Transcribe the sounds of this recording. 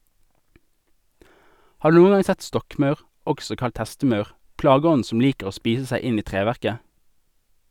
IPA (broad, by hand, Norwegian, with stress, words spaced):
ˈhɑː ˈdʉː ˈnuːən ˈɡɑŋ ˈsɛt ˈstɔkˌmɑʉʁ ˈɔɡsɔ ˈkɑlt ˈhɛstəˌmɑʉʁ ˈplɑːɡəˌɔn̩ ˈsɔm ˈliːkəʁ ˈoː ˈspiːs ˈsæɪ ˈɪn ˈiː ˈtʁeːʋæʁkə